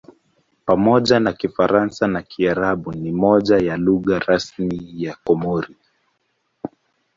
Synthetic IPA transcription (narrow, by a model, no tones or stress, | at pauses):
pamɔʄanakifaɾansanakʰiaɾaɓunimɔʄajaluɣaɾasmijakɔmɔɾi